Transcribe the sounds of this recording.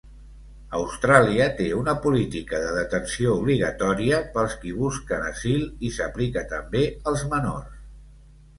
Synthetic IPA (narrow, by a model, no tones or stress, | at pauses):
əwst̪ɾaliət̪eunəpulit̪ikəðəðət̪ənsiouβ̞liɣ̞ət̪ɔɾiəpəlˠskiβ̞uskənə̰zilˠisəplikət̪əmbeəlˠzmənors